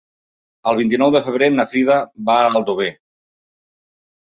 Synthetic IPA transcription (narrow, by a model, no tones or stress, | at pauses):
əlˠβint̪̬inɔwðəfəβ̞ɾenəfɾiðəβaːlˠd̪uβ̞e